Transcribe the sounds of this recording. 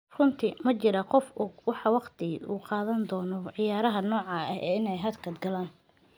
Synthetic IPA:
rʊnt̪ʰɪmɐt͡ʃɪɾɐqɔfʊwɑħɑwɑqt̪ʰɪuːqɑːðɐnd̪ɔːnɔʕɪjaːɾɐɦɐnɔːʕɑːɐ̰ɛ̰ːɪnɛjɦɐd̪kʰɐd̪ɡɐlaːn

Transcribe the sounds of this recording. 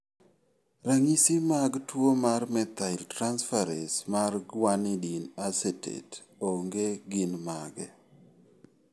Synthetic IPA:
ɾaŋisimaɡtwomarmɛt̪aɪltɾansfaɾɛsmarɡwanɪdinasetḛt | oŋɡeɡɪnmaɡɛ

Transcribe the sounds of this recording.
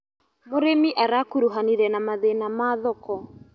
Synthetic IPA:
moɾemiʔaɾakuɾuɦaniɾɛnamaðenamaðɔkɔ

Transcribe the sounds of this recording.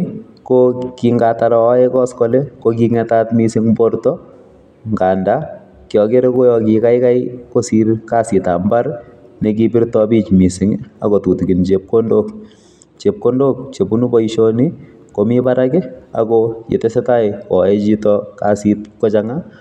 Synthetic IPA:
kokiŋɡataɾɔɛkɔskɔlɛkok̬iŋɛtaːtmisɪŋbɔɾtɔ | ŋɡanda | kjɔkeɾekojɔkikajkajkosiɾkasɪtambar | nɛk̬ibiɾtɔbiːt͡ʃmisɪŋa̰kotutukint͡ʃep̚kondok | t͡ʃep̚kondok̚t͡ʃebunubɔiʃoni | komipaɾakɪa̰kɔjḛtɛsɛtajɔɛt͡ʃitɔkasitkɔt͡ʃaŋa

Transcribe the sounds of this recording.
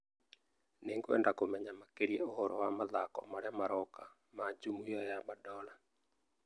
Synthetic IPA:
neŋɡoɛ̰ndakomɛɲamakeɾijɛohɔɾɔwamaðakɔ̰maɾeamaɾɔka | mad͡ʒumujɔjamadɔla

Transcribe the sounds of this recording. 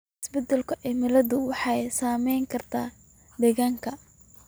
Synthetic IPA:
ɪsbɛd̪ɛlkʰʊʔɛmɪlɐðʊwɑħɑjsaːmɛjŋkʰɐrt̪ʰaː | d̪ɛɣaːŋkʰɐ

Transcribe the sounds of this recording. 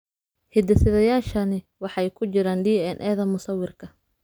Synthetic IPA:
hɪd̪ɐsɪðɐjaːʃɐnɪ | wɑħɑjkʰʊt͡ʃɪɾaːnɖiːɛnʔɛːðɐmʊsɐwɪrkʰɐ

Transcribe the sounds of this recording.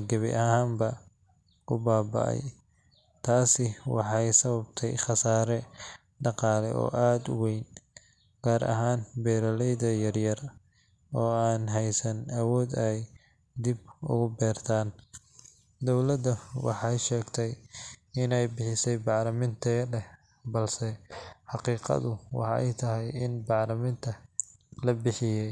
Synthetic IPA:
ɡɐβɪ̰ʔɐɦaːmbɐ | kʰʊbaːbɐ̰ʔɛ̰j | t̪ʰaːsɪwɑ̰ħɑjsɐβɐbt̪ʰɛ̰jχɑsaːɾɛ | ɖɑqɑːlɛ̰ʔɔ̰ːʔaːd̪ʊwɛjn | ɡ̥aːɾʔɐ̰ɦaːnbɛːɾɐlɛjðɐjɐrjɐr | ɔːaːnɦɛjsɐnɐwɔːd̪ɛj | d̪ibʊ̰ɣʊbɛːrt̪ʰaːn | d̪ɔwlɐd̪ɐwɑ̰ħɑjʃɛːɡt̪ʰɛjɪnɛjbɪħɪsɛjbɑʕlɐmɪnt̪ʰɛlɛ | bɐlsɛħɑqiːqɑ̰ðʊwɑ̰ħɑʔɛ̰jt̪ʰɐɦɛjɪnbɑʕlɐmɪnt̪ʰɐ | lɐbɪħɪjɛ

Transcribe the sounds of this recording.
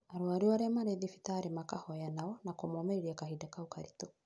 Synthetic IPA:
aɾoaɾiwaɾɛmaɾeðifi̥taɾemakahɔjanaɔnakomɔmɛiɾiakahidakaokaɾito

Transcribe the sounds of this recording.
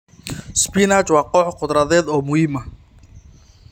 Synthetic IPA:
spinat͡ʃwɑːqɔʕqʊd̪ɾɐðɛːd̪ɔːmʊhiːmɐ

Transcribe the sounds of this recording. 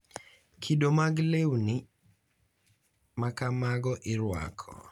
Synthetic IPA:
kʰidomaɡlewnɪ | makamaɡɔʔɪɾwa̰kʰɔ̰

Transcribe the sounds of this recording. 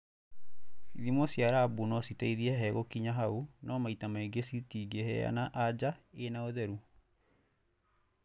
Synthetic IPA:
iðimɔsjaɾaːbunɔsitaiðiɛɦɛɣokiɲaɦaunɔmaitamaeɡesitiːɡehɛ̰a̰naʔad͡ʑaenaoðɛɾu

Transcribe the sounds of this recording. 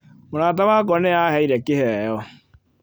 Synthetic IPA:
moɾaːt̬awaːkɔnɛahɛiɾɛkɪhɛjɔ

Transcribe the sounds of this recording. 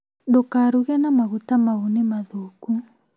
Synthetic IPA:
dokaɾuɣɛnamaɣutamaɣunimaðuku

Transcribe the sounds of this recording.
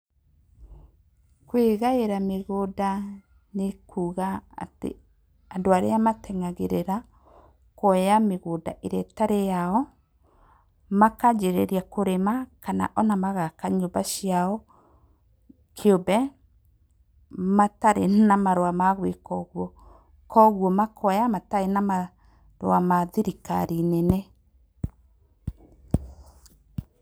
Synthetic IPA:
kweɣaeɾameɣoda | nekʰuːɣaa̰tḛ | andoaɾejamatʰɛŋaɣeɾeɾa | kɔjameɣoda̰ʔeɾɛtaɾejaɔ | makad͡ʒeɾɛɾjakoɾemakana̰ʔɔnamaɣakaɲobaʃjaɔ | kʰeobɛ | mataɾenamaɾoamaɣwekɔɣwɔ | kʰɔɣwɔmakʰɔjamataɾenama | ɾoamaðiɾika̰ɾinenɛ

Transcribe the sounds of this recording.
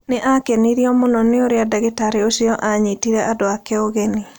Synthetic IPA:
neʔakeniɾiɔmonɔneoɾeadaɣetaɾiosiɔʔaɲitiɾɛʔadoakɛoɣeni

